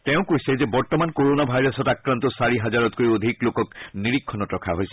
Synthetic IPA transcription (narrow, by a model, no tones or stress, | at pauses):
tɛʊ̃kojsɛzɛbɔɹt̪ɔmankoɹonabʱajɹɔsɔtakɹant̪ɔsaɹiɦazaɹɔtkoɹiod̪ʱiklokɔkniɹikʰːɔnɔtɹɔkʰaɦojsɛ̥